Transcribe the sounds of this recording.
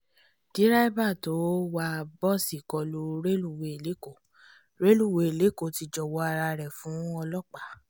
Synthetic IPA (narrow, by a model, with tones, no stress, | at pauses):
d̥i˨˦ɾa˦i˦ba˦˨to˨˦wa˦˧bɔ˦˨si˨kɔ˧lu˦ɾe˦lu˦˨we˨e˨le˨˦ko˦˨ | ɾe˦lu˦˨we˧˨e˨le˨˦ko˦˨ti˧d͡ʒɔ˨wɔ˧˦a˧ɾa˧ɾɛ˨fũ˨˦ɔ˧lɔ˦˨k͡pa˨˦